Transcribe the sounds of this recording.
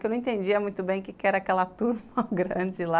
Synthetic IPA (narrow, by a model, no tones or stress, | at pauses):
kewñw̃ẽt̪ẽnd͡ʒiɐmũj̃t̪ʊbẽj̃ʊkekɪɛɾɐaːkɛlɐt̪uɾmɐɡɾɐ̃d͡ʒɪla